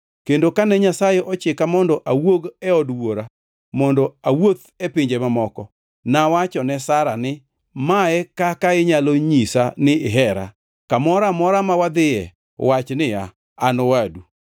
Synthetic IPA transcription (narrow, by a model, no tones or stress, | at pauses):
kendokanɛɲasajɛʔɔt͡ʃekamɔndɔʔawoɡɛɔdwoɾa | mɔndɔawot̪ | ɛpɪɲd͡ʒɛmamɔkɔ | nawat͡ʃɔnɛsaɾanɪ | maɛkakaɪɲaloɲisanɪɪɦɛɾa̰ | kamɔɾamɔɾamawad̪ɪɛ̰ | wat͡ʃnɪja | anowadu